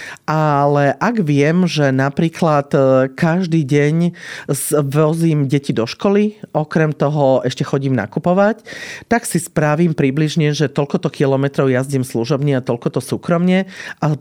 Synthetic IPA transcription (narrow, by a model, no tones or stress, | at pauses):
ʔalɛʔaɡʋɪɛmʒɛnapɾiːklat̪kaʒd̪iːɟɛɲzʋɔziːmɟɛcid̪ɔʃkɔliʔɔkɾɛmt̪ɔɦɔɛʃcɛxɔɟiːmna̰kupɔʋact̪aksispɾaʋiːmpɾibliʒɲɛʒɛt̪ɔʎkɔt̪ɔkilɔmɛt̪ɾɔʊjazɟiːmsluʒɔbɲɛat̪ɔʎkɔt̪ɔsuːkɾɔmɲɛʔa